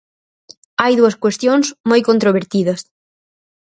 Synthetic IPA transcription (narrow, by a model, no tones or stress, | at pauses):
ajðuɐskwest̪joŋsmojkont̪ɾoβeɾt̪iðɐs